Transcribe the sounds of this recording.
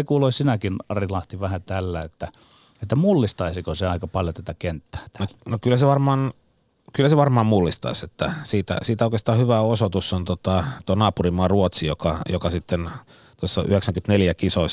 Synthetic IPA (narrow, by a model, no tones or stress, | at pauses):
ekuːloisinækinɑrilɑht̪iʋæhæt̪ælːæet̪ːæ | et̪ːæmulːist̪ɑisikoseɑikɑpɑljot̪æt̪ækent̪ːæ̥ːt̪æ̥nonokylːæseʋɑrmɑːn | kylːæseʋɑrmɑːmmulːist̪ɑ̰iset̪ːæsiːt̪æ̰siːt̪æoikest̪ɑːhyʋæosot̪usːont̪ot̪ɑt̪onɑːpurimɑːruot̪sijokɑjokɑsit̪ːen | t̪uosːɑʔyheksæŋkyt̪neljækisois